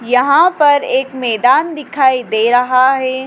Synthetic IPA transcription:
jɐɦãpɐɾeːkmɛːd̪aːnd̪ɪkʰaːid̪eːɾɐɦaɦɛː

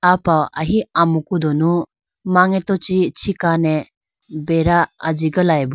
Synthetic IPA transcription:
apawa̰ɦiamukud̪ɔnu | maŋetɔt͡ʃit͡ʃʰikane | beɾaad͡ʒiɡalajbu

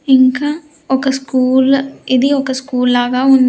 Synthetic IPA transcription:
ɪŋka | okaskuːled̪ioːkaskuːlːaːɡaɦʊ̃nd̪

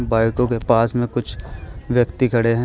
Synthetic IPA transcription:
baːɪkõkepaːsmẽkʊt͡ʃʰʋjɐkt̪ikʰɐɽeɦɛ̃

